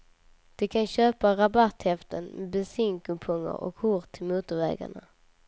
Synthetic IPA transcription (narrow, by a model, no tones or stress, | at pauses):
d̪̥ɛkʰanɕøːpaɾabat̪hɛft̪ənmʔɛbɛsɪŋkɵpʰɵŋːə̰ɾʔɔ̰khʊɾt̪ʰːɪlmuːt̪ʊɾvɛ̰ːɡa̰ɳa̰